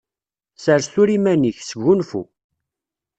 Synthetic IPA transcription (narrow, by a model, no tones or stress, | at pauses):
səɾsθuɾimæniçsəɡːunfṵ